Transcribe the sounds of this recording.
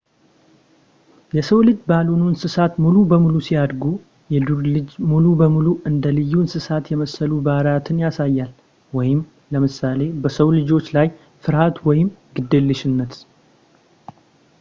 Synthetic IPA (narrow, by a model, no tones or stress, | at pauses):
jɛsəwlɨd͡ʒbalonunsɨsat̪mulubəmulusijad̪ɡu | jɛd̪uɾlɨd͡ʒmulubəmuluʔɨnd̪əlɨjːunsɨsat̪jɛməsːəlubaɾat̪ʰɨnjasajːal | wɔjɪm | ləmɨsale̞bəsəwlɨd͡ʒo̞t͡ʃːlaj | fɨɾhat̪wɔjɪmɡɨd̪ːɨlːɨʃɪnːət̪